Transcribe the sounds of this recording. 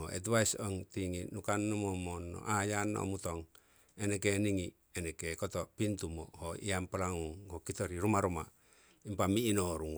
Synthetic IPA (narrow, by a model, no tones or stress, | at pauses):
oḛt̬βaisoŋt̪iŋinukanːomomonːo̰ʔajanːo̰mut̪oŋ | enekeniŋi | enekekot̪opint̪umo̰hoiampalaŋuŋhokit̪oɾiɾumaɾuma | impamiːnoɾuŋ